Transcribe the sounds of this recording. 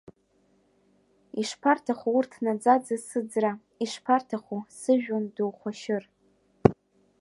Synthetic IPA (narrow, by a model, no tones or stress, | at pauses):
iʂpʰartʰaχʷuurtʰnad͡zad͡zasɨd͡zra | iʂpʰartʰaχʷusɨʒᶣonduwχʷaʃɪr